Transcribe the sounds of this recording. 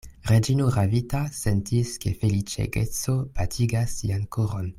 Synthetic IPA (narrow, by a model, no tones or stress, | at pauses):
ʁed͡ʒinoʁavitasentʰiskefelit͡ʃḛɡet͡sopatʰiɡasːiankoʁon